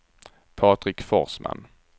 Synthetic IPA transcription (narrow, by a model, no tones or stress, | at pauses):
pʰɑːt̪ɾɪkfɔɾsmʔa̰n